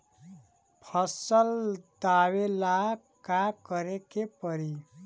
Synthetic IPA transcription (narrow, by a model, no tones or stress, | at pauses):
pʰʌsəld̪awela | kakʌɾekepʌɾi